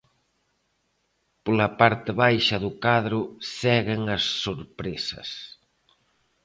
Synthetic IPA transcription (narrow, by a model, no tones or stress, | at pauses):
polɐpaɾt̪ɪβajʃɐðʊkaðɾʊsɛɣeŋɐsːoɾpɾesɐ̰s